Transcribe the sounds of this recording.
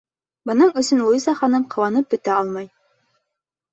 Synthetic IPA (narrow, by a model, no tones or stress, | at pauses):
bɤ̆nɤɴɵ̆sɵnlˠuzɑχɑnɤmqʰɤ̆wɑnɤp̚bɵ̆t̪æɑlˠmɑj